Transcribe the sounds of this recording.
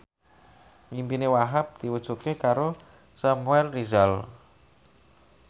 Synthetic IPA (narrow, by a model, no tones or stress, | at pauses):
mimpinewaɦap̚d̪̥iwud̥ʒ̥ut̪̚kehkaɾo | samuɛlrizal